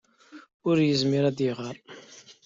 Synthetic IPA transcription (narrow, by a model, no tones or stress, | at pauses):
ʊɾjəzmɪɾæd̪iʁəɾˤ